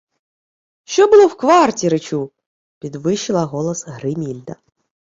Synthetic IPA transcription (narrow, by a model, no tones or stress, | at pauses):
ʃɔbɨlˠɔwkʋartʲiɾɨt͡ɕu | pʲid̪ʋɪɕɪlˠɐɣɔlˠɐsɣɾɪmʲilʲd̪ɐ